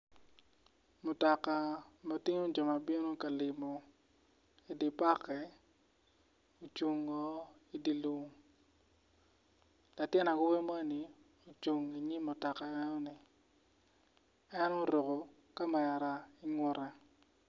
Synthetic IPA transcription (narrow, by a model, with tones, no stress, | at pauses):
mʊ˨tɔ˨ka˨ma˨tɪ˦ŋo˦d͡ʒɔ˨ma˨bɪ˦no˦ka˨lɪ˨mɔ˨ | i˨di˨pa˦kɛ˨ | o˨t͡ʃu˨ŋɔ˦ | i˦di˨lu˦ŋ | la˨tjɪ˦na˨ɡʊ˦we˦ma˦ni˨ | o˨t͡ʃu˨ŋi˨ɲi˦mʊ˨tɔ˨ka˨ɛ˦nɔ˦nɪ˨ | ɛ˦no˦ɾo˨ko˨ | ka˦ma˨ja˨ɾa˨ɪ˦ŋʊ˦ɾɛ˨